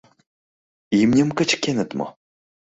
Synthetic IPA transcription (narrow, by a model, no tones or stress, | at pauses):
imnʲemkə̆t͡ɕkʲenə̆t̪mo̰